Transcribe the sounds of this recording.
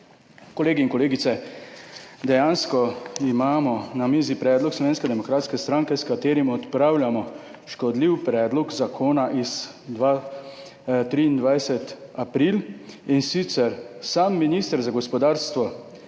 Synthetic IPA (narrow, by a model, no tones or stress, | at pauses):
kɔleːɡiinkɔleːɡit̪sɛ | d̪ɛjanskɔimaːmɔnamizipɾɛːd̪lɔkslɔʋeːnskɛd̪ɛmɔkɾaːt̪skɛst̪ɾaŋkɛskat̪eːɾimɔt̪pɾaːwlʲjamɔ | ʃkɔd̪liwpɾɛːd̪lɔkzakʰoːnaʔiz | d̪a | t̪ɾiːnd̪ʋajsɛt̪apɾilinsit̪sɛɾsaːmːinist̪əɾzaɡɔspɔd̪aːɾst̪ʋɔ